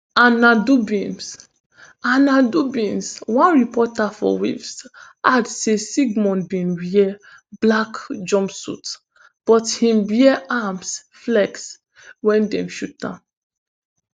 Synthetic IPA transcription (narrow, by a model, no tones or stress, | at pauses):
anadubĩns | anadubĩnswãnɹipɔtafɔ̰wḭvs | adsesiɡmɔ̃ntbĩnwiɛ | b̥lakd͡ʒɔ̃mpsṵt | b̥ɔthĩmbiɛʔams | flɛks | wɛ̃ndɛ̰̃mʃut̚dã̰n